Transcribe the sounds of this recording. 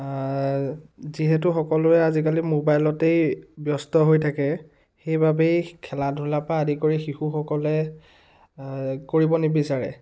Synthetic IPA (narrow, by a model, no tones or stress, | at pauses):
ziɦɛt̬ʊxɔkɔlʊɛazik̬alimobajlɔtejbjɔstɔɦojtʰakɛ | xejbabejkʰɛladʱulapaːdikoɹixixuxɔkɔlɛ | koɹibɔnebisaɹɛ̰